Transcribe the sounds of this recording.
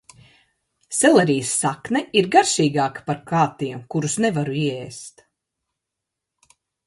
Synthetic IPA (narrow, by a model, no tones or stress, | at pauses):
sɛlɛɾiːsːaknɛʔiɾɡaɾʃiːɡaːkḁpaɾkaːt̪iɛmkuɾusnɛvaɾuiɛeːst̪